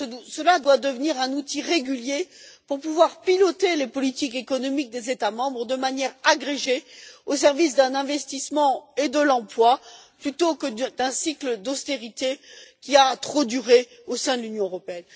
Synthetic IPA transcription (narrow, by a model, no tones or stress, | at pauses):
səlad̪wad̪əvniʁɛ̃nut̪iʁeɡʲyljepuʁpuvwaʁpilɔt̪elepɔlit̪ikekɔnɔmik̚d̪ezet̪amɑ̃bʁəd̪əmanjɛʁaɡʁeʒeos̬ɛʁvis̬d̪ɛ̃nɛ̃vɛst̪ismɑ̃ed̪əlɑ̃plwaplyt̪okəd̪ɛ̃sikləd̪ɔst̪eʁit̪ekʲiat̪χod̪yʁe | osɛ̃d̪əlynjɔ̃øʁɔpeɛn